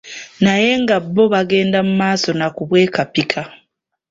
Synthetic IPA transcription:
naje̞ŋɡabːo̞βaɡe̞ːndamumaːso̞nakuβwe̞ːkapikʰa

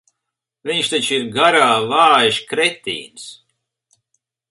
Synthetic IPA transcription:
viɲʃt̪at͡ʃiɾɡaɾaːvaːjʃkɾɛt̪ʲḭːns

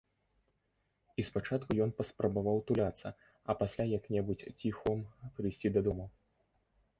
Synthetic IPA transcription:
ispat͡ʂat̪̚kujɔnpɐspɾɐbavawt̪ulʲat̪sːɐ | ɐpasʲlʲajaknʲɛbut͡sʲt͡sʲixɔmpɾɨjsʲt͡sʲid̪ɐd̪ɔmɐ

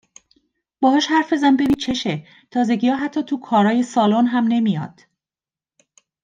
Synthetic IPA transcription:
b̥ɒːhɒːʃhæɾfe̞zænbe̞ɾiːt͡ʃʰeʃe | t̪ʰɒːze̞ɟijɒːɦæt̪ʰːɒːt̪ʰukʰɒːɾɒːje̞sɒːlonɦæmne̞mijɒ̰ːd̪̥

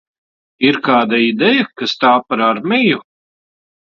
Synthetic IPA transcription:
iɾkaːd̪aid̪ɛjakast̪aːpaɾaɾmiju

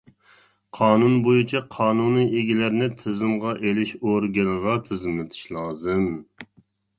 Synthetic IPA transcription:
qʰɑːnunbojut͡ʃʰɛqʰɑːnunɨʔeɡʲilæɾnɪt̪ʰɪzɪmʁɑʔelɪʃoɾɡʲɛlʁɑt̪ʰɪzɪmlɪt̪ʰɪ̥ʃlˠɑːzɨm

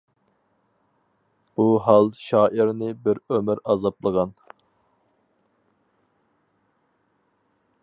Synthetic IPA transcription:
b̥uɦɑlˠʃɑːʔiɾnɪbɪɾømɪɾɑzɑplˠəʁɑn

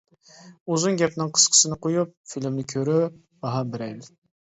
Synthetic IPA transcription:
ozuŋɡʲɛpnɪŋqʰə̥sqʰə̥sɨnɨqʰojup̚filmnɪkʲʰøɾy | b̥ɑɦɑbɪɾɛl

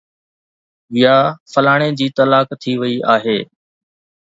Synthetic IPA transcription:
ʋɪjaːfəlaːɽ̃eːd͡ʑiːt̪əlaːkt̪ʰiʋɪiʔaːɦeː

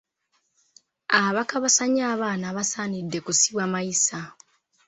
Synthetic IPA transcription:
aβakaβasaɲaːβaːnaβasaːnidːe̞kusiβwamajisa

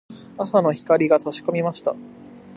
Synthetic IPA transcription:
asano̞çi̥kaɾʲiɡat͡soɕi̥ko̞mʲimaɕi̥t̪a̰

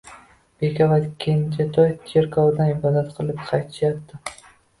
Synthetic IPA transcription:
b̥ekʲʰavat̪kʲʰejɪnt͡ʃʰat̪ʰɒjt̪ʰeɾkʰɒwd̪anɪbɒd̪at̪qʰɨlˠɪpqʰɑjt̪ʰɪ̥ʃjap̚t̪ʰɪ

